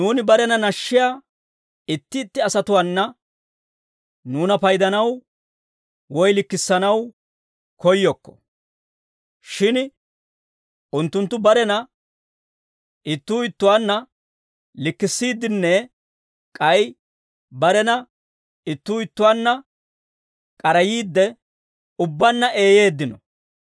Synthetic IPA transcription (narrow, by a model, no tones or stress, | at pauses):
nuːnɪbɐɾɛnɐnɐʃːɪjaː | ɪt̪ːɪːt̪ːɪɐsɐt̪ʊwanːɐ | nuːnɐpɐjd̪ɐnɐw | wɔjlɪkːɪsːɐnɐw | kɔjːɔkːɔ̥ | ʃɪn | ʔʊnt̪ːʊnt̪ːʊbɐɾɛnɐ | ʔɪt̪ːuːɪt̪ːʊwaːnːɐ | lɪkːɪsːiːd̪ːɪnːɛ | kʼɐj | bɐɾɛnɐ | ɪt̪ːuːɪt̪ːʊwaːnːɐ | kʼɐɾɐjiːd̪ːɛ | ʊbːɐnːɐʔe̞ːje̞ːd̪ːɪnɔ